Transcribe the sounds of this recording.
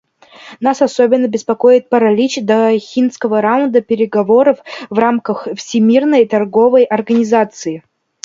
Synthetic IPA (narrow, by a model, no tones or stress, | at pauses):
nasɐsobʲɪnːəbʲɪspɐkojɪt̪̚pəɾɐlʲit͡ɕd̪əxʲinskəvəɾaʊnd̪əpʲɪɾʲɪɡɐvo̞ɾəfvramkəxfsʲɪmʲirnəjt̪ɐrɡo̞vəjʔɐrɡənʲɪzat̪sɨɪ